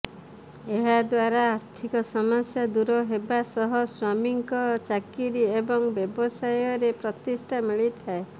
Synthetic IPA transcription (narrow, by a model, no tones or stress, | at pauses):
eɦad̪waɾaːɾt̪ʰikɔsɔmasjad̪uɾɔɦebasɔɦɔswamiŋkɔt͡ʃakiɾiebɔŋbjɔbɔsajɔɾepɾɔt̪isʈʰamiɭit̪ʰae